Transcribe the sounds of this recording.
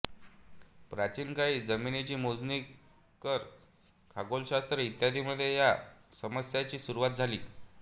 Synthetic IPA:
pɾat͡ɕiːnkaɭiːd͡zəminet͡ɕiːmod͡zni | kəɾ | kʰaɡolɕast̪ɾəit̪jad̪ʱiːməd̪ʱːjejasəməsjat͡ɕiːsuɾuʋat̪̚d͡zʱaliː

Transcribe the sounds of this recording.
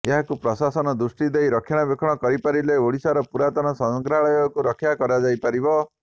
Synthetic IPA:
eɦakupɾɔsasɔnɔd̪ɾusʈid̪ejɾɔkʰːjaɽ̃abekʰɔɽ̃ɔkɔɾipaɾileoɽisaɾɔpuɾat̪ɔnɔsɔŋɡɾaɭɔjɔkuɾɔkʰjakɔɾad͡ʒajpaɾibɔ

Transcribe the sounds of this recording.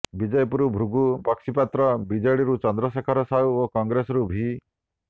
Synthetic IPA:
bid͡ʒɔjpuɾubʱɾuɡubɔksipat̪ɾɔbid͡ʒɔɽiɾut͡ʃɔnd̪ɾɔs̬ekʰɔɾɔsauokɔŋɡɾesɔɾubʱi

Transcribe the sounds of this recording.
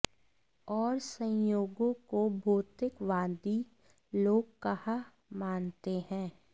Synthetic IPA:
ɔːɾsə̃joːɡõkobʱoːt̪ɪkʋãːnd̪i | loːɡ̚kɐha | maːnt̪eɦɛ̃ː

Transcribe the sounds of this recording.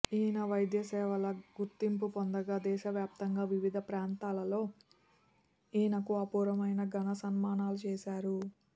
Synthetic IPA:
iːnɐʋɐjd̪jɐsɛːʋɐlɐɡuɾt̪ːimpupond̪ɐɡaːd̪ɛːʃɐʋjaːp̚t̪ɐŋɡaːʋiʋid̪ʱɐpɾaːnt̪aːlɐlo̞ː | iːnɐkuɐpuːɾɐmɐjnɐɡɐnɐsɐnmaːnaːlut͡ʃɛːʃaːɾu

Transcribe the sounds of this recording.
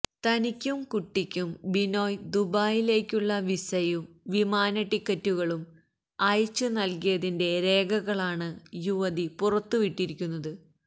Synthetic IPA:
t̪ɐnikʲːumkuʈːikʲːumbino̞ːjd̪ubaːjile̞ːkʲːuɭːɐʋisɐjumʋimaːnɐʈːikːɐtːuɣɐɭum | ɐjt͡ɕːɨnɐlkijɐðinde̞ɾe̞ːɡɐɣɐɭaːɳɨjuʋɐðipurɐt̪ːuʋiʈːiɾikʲːunːɐðɨ

